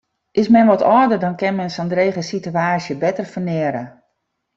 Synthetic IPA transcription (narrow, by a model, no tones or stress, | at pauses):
ʔɪsmɛnʋɔtɔdərdɔnkɛnmɛnsɔndrejɣəsityaːsjəbɛtərfənɛːɾə